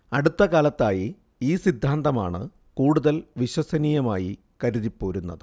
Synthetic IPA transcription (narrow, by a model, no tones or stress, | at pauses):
ɐɽut̪ːɐkaːlɐt̪ːaːji | iːsid̪ʱːaːnd̪ɐmaːɳɨ̰ | kuːɽuðɐlʋiɕwɐsɐniːjɐmaːji | kɐɾuðipːo̞ːɾunːɐ̰ðɨ